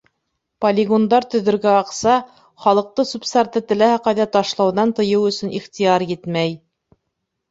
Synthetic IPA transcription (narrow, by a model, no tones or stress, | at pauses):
polʲɪɡond̪ɑɾt̪ɵ̆ðɵ̆ɾɡæɑqsɑ | χɑlˠɤ̆q̚t̪ɤsupst̪ɑɾt̪ɤt̪ɘ̆læhæqɑjðæt̪ɑʃlˠɑwðɑnt̪ɤ̆jɤwɵ̆sɵ̆niχt̪ijɑɾjɘt̪mæj